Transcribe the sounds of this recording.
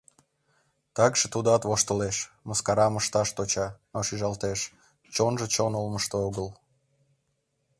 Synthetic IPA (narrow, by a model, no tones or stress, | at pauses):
t̪ɑkʒet̪ud̪ɑt̪βoʃt̪əleʃ | məskɑɾɑməʃt̪ɑʃt̪ot͡ɕɑnoʃiʒɑlt̪eʃ | t͡ɕonʒet͡ɕonolməʃt̪ooɣəl